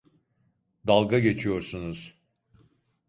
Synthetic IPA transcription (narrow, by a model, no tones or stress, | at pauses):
d̪alˠɡaɟe̞t͡ʃʰijo̞ɾsunuz̥